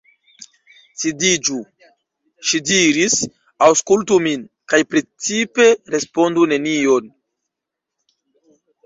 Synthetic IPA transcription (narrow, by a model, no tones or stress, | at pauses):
sidid͡ʒu | ʃidiɾis | awskultumin | kajpɾet͡sipe̞ɾe̞spo̞ndune̞nio̞n